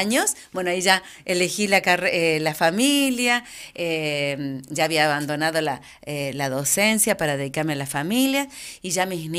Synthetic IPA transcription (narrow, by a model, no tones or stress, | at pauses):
ɲosbwenoaiʒa | elexilakareelafamilja | emʒaːβiaːβand̪onaðola | elaðosensjapaɾaðeðikaɾmealafamiljaiʒamisni